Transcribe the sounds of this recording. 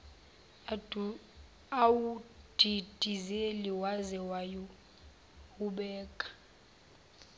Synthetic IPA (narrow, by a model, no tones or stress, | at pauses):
awud̥ʱid̥ʱizeliwazɛwaju | uɓɛːkʼḁ